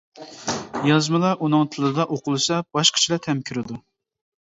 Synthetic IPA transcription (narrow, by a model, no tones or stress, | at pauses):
jɑzmɨlˠɑʔunɨŋt̪ʰɨlˠɨd̪ɑʔoqʊlˠɨsɑb̥ɑʃqʰə̥t͡ʃʰilˠɑt̪ʰɛmkʲʰyɾɪd̪u